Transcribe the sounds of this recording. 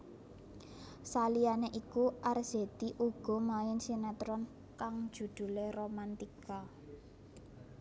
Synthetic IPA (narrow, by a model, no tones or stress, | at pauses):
salianeʔikuʔarz̥e̤d̪̥iʔuɡ̥ɔ̤maɪnsinɛt̪ɾɔn | kaŋ̥d͡ʒ̥ṳd̪̥ṳleromant̪ika